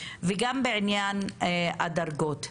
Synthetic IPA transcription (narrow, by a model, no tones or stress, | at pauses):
veɡambeʕinjanadaɾɡot̪